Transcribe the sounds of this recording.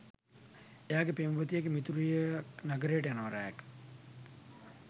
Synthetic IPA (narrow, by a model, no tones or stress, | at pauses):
ejaːɡepeːmɐbət̪ijeɡemit̪uɾujənaɡəɾejəʈəjanɐʋəɾa̰ːja̰k